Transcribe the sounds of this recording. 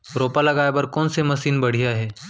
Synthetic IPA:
ɾoːpalɐɡaːjepɐɾkɔːnsemɐsiːnbɐɽ̤ijaɦɛː

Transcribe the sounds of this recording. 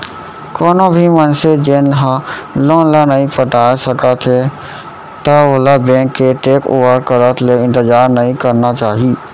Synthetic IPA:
koːnobʱimənsed͡ʒenɦə̃lonlanəĩpəʈasəkət̪ʰɦe | t̪əoɦlabẽːŋkːeʈeːko̰ʋəɾkəɾət̪ʰleɪ̃nt̪əd͡ʒaːɾnəĩkəɾnat͡ʃaːɦi

